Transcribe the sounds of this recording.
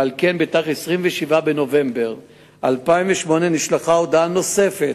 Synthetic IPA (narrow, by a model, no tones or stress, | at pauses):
alke̞nbetaχesʁimveʃivabeno̞ve̞mbe̞ʁ | ʔalpaiɱveʃmo̞ne̞niʃlaχaod̪ano̞se̞fe̞t